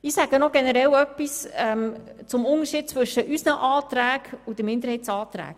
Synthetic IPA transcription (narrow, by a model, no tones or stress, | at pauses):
iːsæɡ̥ənɔɡ̥ɛnəɾɛlœpːisɛmt͡sʊmʊnəʃiːd̥̚t͡sʋɵʃəʔysnəʔɑːt̪ɾæːkʊd̪əmɪndəɾhɛɪtsɑːt̪ɾæ̰ːk